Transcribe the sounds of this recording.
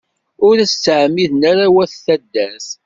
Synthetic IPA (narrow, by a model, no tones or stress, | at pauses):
ʊɾæəʕmiðnæɾawæθθæd̪ːæs